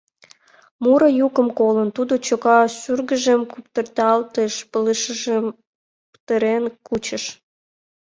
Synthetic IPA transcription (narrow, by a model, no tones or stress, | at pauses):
muɾəjukəmkolənt̪ud̪ot͡ɕokɑsyrɣəʒemkupt̪ərt̪ɑlt̪eʃpələʃəʒem | pt̪əɾenkut͡ɕəʃ